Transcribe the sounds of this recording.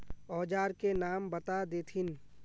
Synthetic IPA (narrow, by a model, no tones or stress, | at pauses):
ɔːd͡ʒaːɾkenaːmbɐt̪ad̪eːt̪ʰɪn